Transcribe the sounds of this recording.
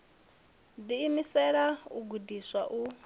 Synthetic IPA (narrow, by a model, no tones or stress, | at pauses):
diːmisɛɺaṵɡudiswaʔu